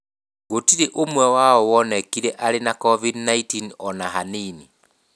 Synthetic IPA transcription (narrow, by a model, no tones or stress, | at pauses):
ɣotiɾeʔomwɛwaɔwɔnɛkiɾɛʔaɾenakɔvidnaitinɔnaɦanini